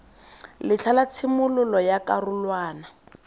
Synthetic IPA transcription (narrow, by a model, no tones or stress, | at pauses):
lɪt͡ɬʰalat͡sʰɪmʊlʊlɔjakarʊlwaːna